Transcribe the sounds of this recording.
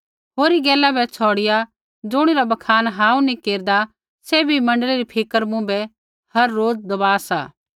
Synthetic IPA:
ɦoːɾiɡɛːlabɛt͡ʃʰɔːɽɪja | d͡zʊɽ̃iɾabɐkʰaːnɦaːũnĩkeːɾd̪a | sebʱimɐ̃ɳɖəleɾipʰɪkəɾmũbɛ | hɐɾːoːd͡zd̪ɐbaːsaː

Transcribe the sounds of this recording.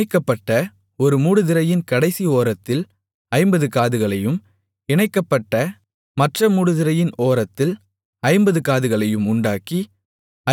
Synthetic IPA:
ɪkːɐpːɐʈːɐ | ɔɾɯmuːɽɯðɪɾɐjɪnkɐɽɐɪsioːɾɐt̪ːɪl | ɐɪmbɐðɯkaːðɯɣɐɭɐjɯm | ɪɳɐɪkːɐpːɐʈːɐ | mɐʈrɐmuːɽɯðɪɾɐjɪnoːɾɐt̪ːɪl | ɐɪmbɐðɯkaːðɯɣɐɭɐjɯmʊɳɖaːki | ɐ

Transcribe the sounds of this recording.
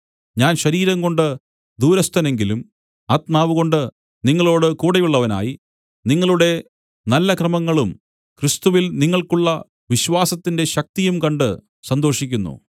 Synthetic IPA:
ɲaːnɕɐɾiːɾɐŋɡo̞ɳɖɨ | d̪uːɾɐst̪ʰɐne̞ŋɡilum | aːt̪maːʋuɣo̞ɳɖɨ | niŋːɐɭo̞ːɽɨkuːɽɐjuɭːɐʋɐna̰ːji | niŋːɐɭuɽe̞ | nɐlːɐkrɐmɐŋːɐɭum | krist̪uʋilniŋːɐɭkuɭːɐ | ʋiɕʋaːsɐt̪ːinde̞ɕɐk̚t̪ijumkɐɳɖɨ | sɐnd̪o̞ːʂikʲːunːṵ

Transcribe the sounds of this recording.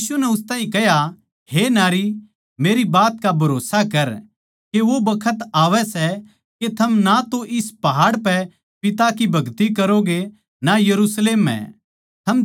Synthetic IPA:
sunɛʊst̪ãːɦĩkɛɦja | henaːɾi | meːɾibaːt̪kabʱɐɾoːsakɐɾ | keʋobɐkʰət̪aːʋɛsɛ | ket̪ʰɐmnat̪oʔɪspɐɦaːɽpɛ | pɪt̪akibʱɐɡt̪ikɐɾoɡe | najɐɾusleːmːɛ̰̃ | t̪ʰɐm

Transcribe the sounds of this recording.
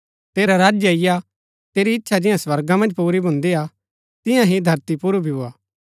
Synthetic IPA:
t̪eːɾaɾaːd͡ʒjəɪja | t̪eːɾiɪtːʃʰad͡ʒɪjãswɐɾɡãmɐ̃nd͡ʒpuːɾibʱʊ̃nd̪ia | t̪ɪjãɦid̪ʱɐɾt̪ipuɾubʱiʊaː

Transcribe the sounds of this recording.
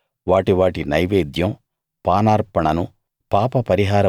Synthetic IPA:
ʋaːʈiʋaːʈinɐjʋeːd̪jɐm | paːnaːɾpɐɳɐnu | paːpɐpɐɾiɦaːɾɐ

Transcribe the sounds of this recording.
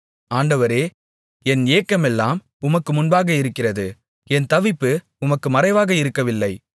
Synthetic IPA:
aːɳɖɐʋɐɾeː | ɛneːkːɐmɛlːaːm | ʊmɐkːɯmʊnbaːɣɐɪɾɯkːɪrɐðɯ | ɛnt̪ɐʋɪpːɯ | ʊmɐkːɯmɐɾɐɪʋaːɣɐɪɾɯkːɐʋɪlːɐɪ

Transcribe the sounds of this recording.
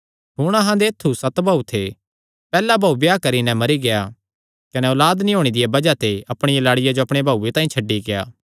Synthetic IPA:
ɦʊɽ̃ɐɦãd̪eːt̪ʰːusɐt̪bʱaut̪ʰe | pɛːlabʱaːubjaːkɐɾinɛ̃mɐɾiɡeja | kɐnɛɔːlaːd̪nĩɦoːɽ̃ed̪ɪjabɐd͡ʒat̪eɐpɽ̃ɪjalaːɽɪjad͡ʒoɐpɽ̃ebʱaːuːet̪ãːĩt͡ʃʰɐɖːiɡeja̰ː

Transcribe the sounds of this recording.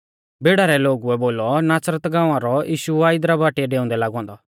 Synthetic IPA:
beːɽaɾɛloːɡuɛboːlɔnaːsɾət̪ɡãːãɾɔjiːʃuaːɪd̪ɾabaːʈiɛɖeːʊ̃nd̪ɛlaːɡɔ̃ːnd̪ɔ

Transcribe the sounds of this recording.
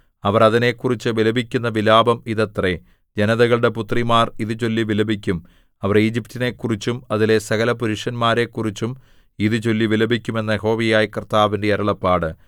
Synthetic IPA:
ɐʋɐrɐðine̞kːurit͡ɕːɨʋilɐbʱikʲːunːɐʋilaːbɐmiðɐt̪re | d͡ʑɐnɐðɐɣɐɭɨɽe̞put̪rimaːriðɨt͡ɕo̞lːiʋilɐbʱikʲːum | ɐʋɐriːd͡ʑip̚tine̞kːurit͡ɕːumɐðile̞sɐɣɐlɐpuɾuʂɐnmaːɾe̞kːurit͡ɕːum | iðɨt͡ɕo̞lːiʋilɐbʱikʲːume̞nːɐeɦo̞ːʋijaːjikɐrt̪aːʋinde̞ɐɾɐɭɐpːaːɽɨ

